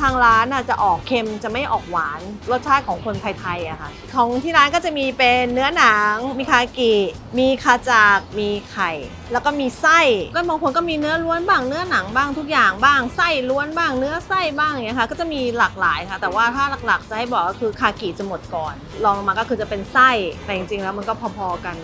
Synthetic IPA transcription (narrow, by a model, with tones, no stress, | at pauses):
t̪ʰaː˧ŋɾaː˦˥nʔaː˧˩t͡ɕa˨˩ʔɔː˨˩kʰːe˧mt͡ɕa˨˩ma˥˩jʔɔː˨˩k̚waː˩˦nɾo˥˩t̪̚t͡ɕʰaː˥˩kʰɔː˩˦ŋkʰo˧nt̪ʰa˧jt̪ʰa˧jʔa̰˨˩kʰa˦˥˩k̪ʰɔː˨˦ŋt̪ʰiː˥˩ɾaː˦˥nkɔː˥˩t͡ɕa˨˩miː˧pe˧nːɯ˦˥ɐna˩˦ŋmiː˧kʰaː˧ki˨˩ | miː˧kʰaː˧t͡ɕaː˨˩k̚miː˧kʰa˨˩j | lɛ˦˥wkɔː˥˩miː˧sa˥˩jkɔ˥˩bɔaː˧ŋkʰu˧nkɔː˥˩miː˧nɯ˦˥ɐlu˦˥ənbaː˥˩ŋnɯ˦˥ɐna˩˦ŋbaː˥˩ŋt̪ʰu˦˥k̚jaː˨˩ŋbaː˥˩ŋsa˥˩jlu˦˥ənbaː˥˩ŋnɯ˦˥ɐsa˥˩jbaː˥˩ŋ˨˩ŋi˦˥kʰa˥kɔː˥˩t͡ɕa˨˩miː˧laː˨˩k̚laː˩˦jkʰa˦˩t̪ɛː˨˩waː˥˩t̪ʰaː˥˩la˨˩k̚la˨˩k̚t͡ɕa˨˩ʔha˥˩jbɔː˨˩k̚ːɔː˥˩kʰɯː˧kʰaː˧˩kiː˨˩t͡ɕa˨˩mo˨˩t̪̚kɔː˨˩n | lɔː˧ŋ˧maː˧kɔː˥˩ɯː˧t͡ɕa˨˩pe˧nsa˥˩jp̪ɛ˧˩t͡ɕi˨˧˩ŋt͡ɕi˧ŋlɛː˦˥wma˧nkɔː˥˩pʰɔː˧pʰɔː˧ka˧n